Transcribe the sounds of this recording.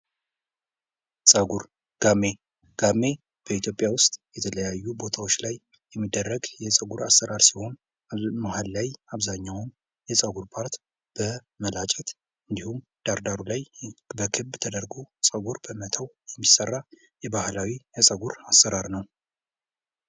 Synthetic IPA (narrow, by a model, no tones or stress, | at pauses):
sʼəɡuɾ | ɡ̥amːe̞ | ɡ̥amːe̞ | b̥əit̪ʰjo̞pʼjawʊst̪ʼjɛt̪ʰələjajːubo̞t̪ʰawot͡ʃːlaj | jɛmːid̪ːərːəɡjɛsʼəɡuɾasəɾaɾsiho̞n | mahalːajaβzaɲːawn | jɛsʼəɡuɾpʰaɾt̪ | b̥ə | məlat͡ʃʼɛt̪ | ɨnd̪ihumd̪̥aɾd̪aɾulajbəkʰɨβt̪ʰəd̪əɾɡosʼəɡuɾbəmət̪ʰawjɛmːisərːa | jɛbahlawijɛsʼəɡuɾasːəɾaɾnəw